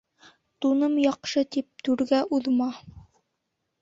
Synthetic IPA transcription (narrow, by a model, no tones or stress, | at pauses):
t̪unɤmjɑqʃɤt̪ip̚t̪ʉɾɡæʔuðmɑ